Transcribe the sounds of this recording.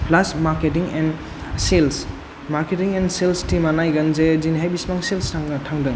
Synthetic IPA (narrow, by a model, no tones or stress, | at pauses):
plasmaɾketiŋen | sels | maɾketiŋenselstimanajɡɐnzed͡ʒinɦajbismaŋselstaŋɡɐtʰaŋdɯŋ